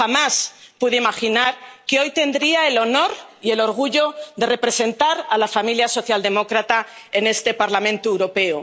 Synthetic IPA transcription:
xamaspuðeimaxinaɾkeo̞jt̪e̞nd̪ɾiaelo̞no̞ɾie̞lo̞ɾɣ̞uʎo̞d̪e̞re̞pɾe̞se̞nt̪aɾalafamiljaso̞θjald̪e̞mo̞kɾat̪aene̞st̪e̞paɾlamẽnt̪uewɾo̞pe̞o

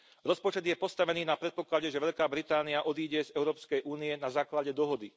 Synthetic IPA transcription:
ɾɔspɔt͡ʃɛd̪jɛpɔst̪aʋɛniːnapɾɛt̪̚pɔklaɟɛʒɛʋɛʎkaːbɾit̪aːniaʔɔd̪iːɟɛzɛʊɾɔːpskɛjʔuːnijɛnazaːklaɟɛd̪ɔɦɔd̪i

